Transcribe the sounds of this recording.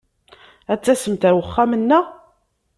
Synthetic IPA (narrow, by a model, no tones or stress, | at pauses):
æt͡sːæsəmt̪əɾwəχːamənːæ